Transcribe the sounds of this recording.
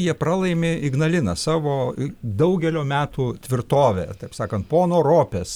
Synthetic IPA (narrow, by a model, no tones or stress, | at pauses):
jiɛpɾɑːlˠɐɪmʲeɪɡnɐlʲɪnɐsɑːʋoːd̪ɐʊɡʲɛlʲoːmʲæːt̪uːt̪ʲʋʲɪrt̪oːʋʲḛːt̪ɐɪpsɑːkɐnt̪poːnoːɾoːpʲeːs